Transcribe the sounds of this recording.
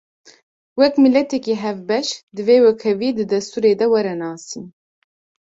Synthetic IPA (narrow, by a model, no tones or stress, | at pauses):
wɛkmilɛt̪ɛkiːɦɛvbɛʃd̪ɨveːwɛkʰɛviːd̪ɨd̪ɛst̪uːɾeːd̪ɛwɛɾɛnɑːsiːn